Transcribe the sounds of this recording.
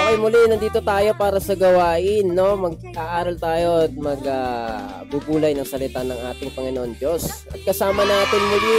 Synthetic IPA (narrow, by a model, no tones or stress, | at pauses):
ʔɐjmʊlɪnɐnd̪iːt̪o̞t̪aːjo̞paːɾɐsɐɡɐwaːʔɪnːo̞mɐɡ̚ʔaːʔaːɾɐlt̪aːjo̞t̪̚mɐɡa | bubuːlɐjnɐŋsɐlɪt̪anɐŋʔaːt̪ɪŋpɐŋɪnoʔond͡ʒo̞sʔɐ̰t̪̚kɐsaːmɐnaːt̪ɪnmʊlɪ